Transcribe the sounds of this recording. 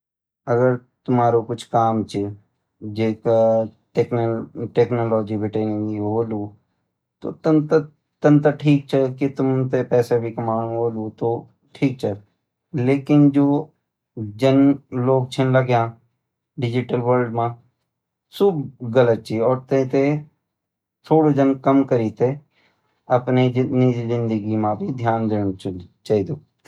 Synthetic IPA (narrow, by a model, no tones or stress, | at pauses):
ɐɡəɾt̪ʊmaːɾokʊt͡ʃʰkaːmt͡ʃe | d͡ʒeːka | ʈeːkʈeːknoːlɔːd͡ʒibʱɪʈeːnɪ̃ŋɡiɦoːluː | t̪o̰ːt̪ənt̪ | t̪ənt̪əʈʰiːk̚t͡ʃʰekit̪ʊmt̪epɛːsebʱikɐmaːnũɦoːluːt̪oː | ʈʰiːk̚t͡ʃʰe | leːkɪnd͡ʒoː | d͡ʒənloːɡ̚t͡ʃʰənləɡjãː | ɖɪd͡ʒɪʈəlʋəɾɖmãː | sʊbɡələt̪̚t͡ʃʰiːɔːɾt̪ẽt̪e | t̪ʰoːɽod͡ʒənkəmkəɾiːt̪e | ɐpninizɪ̃nd̪əɡimãbʱid̪ʱjaːnd̪eːnt͡ʃaːɦid̪oː